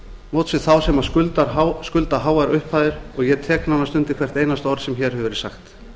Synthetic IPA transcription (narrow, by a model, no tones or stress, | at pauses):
mowt̪sɪðθawsɛmaðʏlt̪askʏlt̪aɦaːwaɾʏhphaːðɪɾ̥ɔɣjɛt̪ʰɛːknanːast̪ʏnt̪ɪkʰvɛr̥t̪ejnast̪ɔɾsɛmçɛːɾ̥hɦɛvɾɪsaxt̪